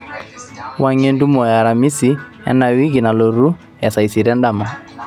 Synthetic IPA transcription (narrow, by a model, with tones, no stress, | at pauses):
wa˦ŋe˦ndu˦mɔ˨ja˨ɾa˨mi˦si˨˦ | ɛ̰˦na˨wi˦ɡi˨na˨lɔ˨ɾu˦ | ja˨sa˨i˨si˨ɾɛ˦nda˦˨ma˨